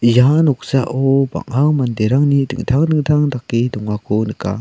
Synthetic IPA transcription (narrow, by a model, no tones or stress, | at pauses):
janɔk̚saʔɔba̰ŋaŋmandeɾaŋnidɯ̰ŋt̪ʰaŋdɯŋtʰaŋdakːidɔŋːakʰɔnɯka̰